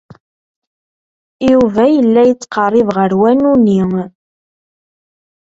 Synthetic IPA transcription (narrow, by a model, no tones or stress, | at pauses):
juvæjəlːæjət͡sːqərˤːɪvʁəɾwænuni